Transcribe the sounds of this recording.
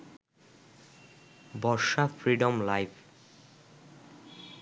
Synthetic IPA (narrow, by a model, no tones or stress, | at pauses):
bɔɾʃafʰɾiɖɔmlajpʰ